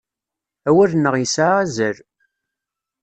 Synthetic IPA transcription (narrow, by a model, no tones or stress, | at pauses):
æwæɾnːəʁjəsaæzəɾ